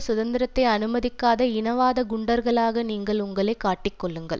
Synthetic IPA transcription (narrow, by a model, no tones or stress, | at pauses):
sʊðɐnd̪ɪɾɐt̪ːɐɪɐnɯmɐðɪkːaːðɐɪnɐʋaːðɐɡʊɳɖɐɾɣɐɭaːɣɐniːŋɡɐɭʊŋɡɐɭɐɪkːaːʈːɪkːɔɭːɯŋɡɐ̰ɭ